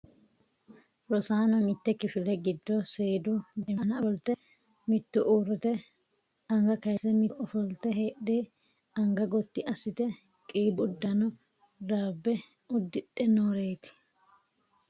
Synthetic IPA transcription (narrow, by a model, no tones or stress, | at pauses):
ɾɔsaːnɐmɪt̪ːɛkɪfɪlɛɡɪd̪ːɔseːd̪ʊd̪ɛmnɐɔlt̪ːɛ | mɪt̪ːʊʔuːɾːɛt̪ɛ | ɐŋɡɐkɐjsɛmɪʔɔfɔlt̪ɛɦeːɗeː | ɐŋɡɐɡɔt̪ːɪʔɐsːɪt̪ɛ | kʼiːbʊd̪ːɐnɔ | d̪aːbːɛ | ʊd̪ːɪɗɛnoːɾe̞ːt̪ɪ̥